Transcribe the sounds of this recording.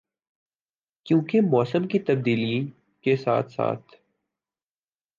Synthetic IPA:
kjõːkemɔːsəmkit̪ɐb̚d̪iːliĩ | kesa̰ːt̪ʰsa̰ːt̪ʰ

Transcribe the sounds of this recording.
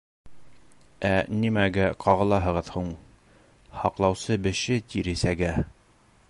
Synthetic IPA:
ænimæɡæqʰɑʁɤ̆lˠɑɦɤ̆ʁɤðhuɴ | hɑqlˠɑwsɤbɘ̆ʃɘt̪ʰiɾɘsæɡæ

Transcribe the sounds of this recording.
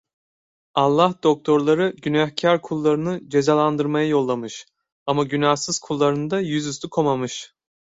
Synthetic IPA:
alˠːahd̪̥o̞k̚t̪ʰo̞ɾlˠaɾɯɟynahcʰaɾkʰulˠːaɾɯnɯd͡ʒe̞zalˠand̪ɯɾmajajo̞lˠːamɯʃ | amaɟynahsɯz̥kʰulˠːaɾɯnd̪ajyzyst̪ʰukʰomamɯʃ

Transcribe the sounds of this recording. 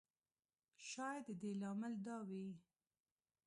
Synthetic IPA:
ʃɑjd̪əd̪elɑmɪld̪ɑwi

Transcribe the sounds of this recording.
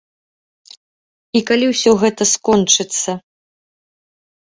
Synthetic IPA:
ikalʲiwsʲɔɣɛt̪ɐskɔnt͡ʂɨt̪sːɐ

